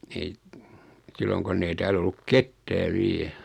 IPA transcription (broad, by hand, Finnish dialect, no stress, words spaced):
ei silːoŋ konː ei tæːl olːuk ketːæː ʋiɛ